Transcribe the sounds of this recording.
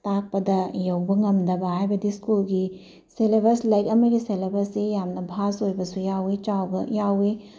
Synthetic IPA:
tak̚pɐdɐjɐwbɐŋɐmdɐbɐɦajbɐdiskulɡi | selebɐɾslɐjkɐmɐɡiselebɐɾsejamnɐbʱasojbɐsujawet͡ʃawɡɐjawe

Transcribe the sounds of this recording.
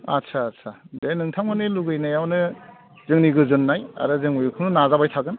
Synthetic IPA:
atsʰaːtsʰadejnɯŋtʰaŋmɯnɯluɡɯjnajawnɯ | zɯŋniɡɯzɯnːaja̰ɾɯzɯŋujukʰɯŋnɯnazabajtʰaɡɯn

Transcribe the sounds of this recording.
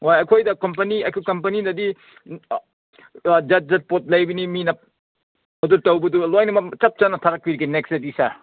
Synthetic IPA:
ojɐkʰojdɐkɐmpɐniɐkʰukɐmpɐninɐdi | d͡ʒɐt̚d͡ʒɐt̚pot̚lɐjbiniminɐp̚ | ɐduɾtɐwbɐdulojnɐmɐt͡ʃɐp̚t͡ʃanɐtʰaɾɐk̚biɾɡineksedisa

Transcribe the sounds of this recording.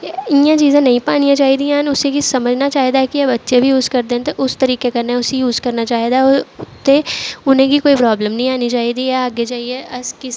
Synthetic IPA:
ɪjãt͡ʃiːzẽːnɐɦĩpaːnijãt͡ʃaːɦid̪ĩãːnʊsekisɐməd͡ʒʱnat͡ʃaːɦid̪aɦɛkiɐbɐtːʃebʱijuːzkɐɾd̪ẽːnt̪eʔʊst̪əɾiːkekɐɾnaɛʊsijuːzkɐɾnat͡ʃaːɦid̪aɦɛt̪eʊnẽɡikoːipɾɔːbləmnɐɦĩaːnit͡ʃaːɦid̪iaːɡet͡ʃaːɦieɐskɪs

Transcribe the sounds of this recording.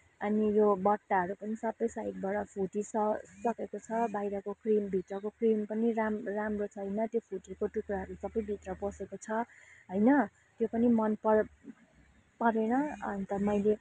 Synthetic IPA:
ʌnijobʌʈːaɦʌɾupʌnisʌbʌjsajk̚bʌɽʌpʰuʈisʌsʌkekot͡sʰʌbajɾʌkokrimbʱit̪rʌkokrimpʌniɾamramrot͡sʰʌɦʌjnʌt̪jopʰuʈikoʈukraɦʌɾusʌbʌjbʱit̪rʌbʌsekot͡sʰʌ | ɦʌjnʌ | t̪jopʌnimʌnpʌ | pʌɾenʌʌ̰nit̪ʌmʌjle

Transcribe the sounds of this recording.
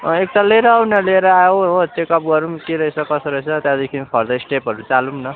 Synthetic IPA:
ek̚t̪aleɾʌːwnʌleɾʌajoɦot͡sekʌp̚ɡʌɾumkeɾʌisʰʌkʌsʌɾʌt͡sʰʌt̪jãd̪ekʰinpʰʌɾd̪ʌisʈepɦʌɾut͡salumnʌ

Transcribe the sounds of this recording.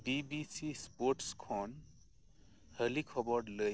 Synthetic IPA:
bibisispoɾʈskʰɔn | həlikʰɔbɔɽləj

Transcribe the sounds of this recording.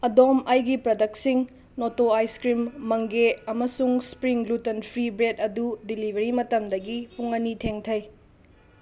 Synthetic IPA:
ɐdomɐjɡipɾɐdɐk̚siŋ | notoajskɾimːɐŋɡeɐmɐsuŋspɾiŋlutɐnpʰɾibɾedɐdudilibʱɐɾimɐtɐmdɐɡipuŋɐnitʰeŋtʰɐj

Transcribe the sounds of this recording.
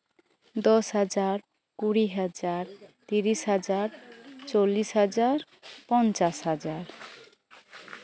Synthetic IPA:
d̪ɔsɦad͡ʒaɾ | kuɽiɦad͡ʒaɾt̪iɾisɦad͡ʒaɾt͡ʃolːisɦad͡ʒaɾ | pɔnt͡ʃasɦad͡ʒaɾ

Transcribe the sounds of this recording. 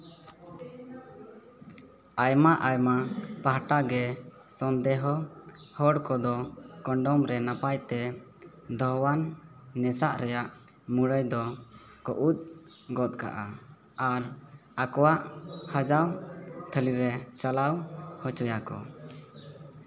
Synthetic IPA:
ajmaʔajmapaɦʈaɡɛsɔnd̪ɛɦɔhɔɽkɔd̪ɔkɔɳɖɔmɾɛnapajt̪ɛ | d̪ʱɔɦwanː | ɛsaʔɾɛjaʔmuɽəjd̪ɔ | kɔʔut̪̚ˀ | ɡɔt̪̚ˀka̰ʔa̰ | aɾakɔwaʔhad͡ʒawt̪ʰəliɾɛt͡ʃalawhɔt͡ʃɔjakɔ̰

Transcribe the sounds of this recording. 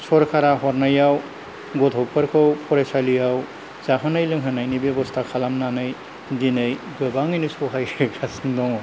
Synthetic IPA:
sɔɾkʰaɾaɦɔɾnajaw | ɡɔtʰɔwpʰɯɾkʰɯwpʰɔɾesalijaw | z̥aɦɯnajlɯŋɦɯnajnibebɔstʰakʰalamnanɯj | dinɯj | ɡɯbaŋinisɔɦajɾekʰasindɔŋɔ

